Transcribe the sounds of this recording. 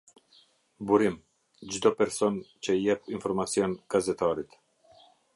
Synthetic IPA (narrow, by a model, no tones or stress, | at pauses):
buɾim | d͡ʒd̪ɔpɛɾsɔnt͡ʃəjɛpinfɔɾmat͡siɔnɡ̥azɛt̪aɾit̪